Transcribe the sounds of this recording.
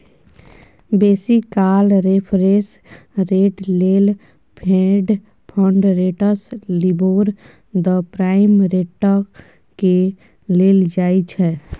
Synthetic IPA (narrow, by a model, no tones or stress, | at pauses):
beːsikaːlɾepʰɾes | ɾeːʈleːl | pʰẽːɖ | pʰɔ̃ɳɖɾeːʈəsliboːɾ | d̪əpɾaːɪmɾeːʈːə | ke | leːld͡ʒaːit͡ʃʰɛː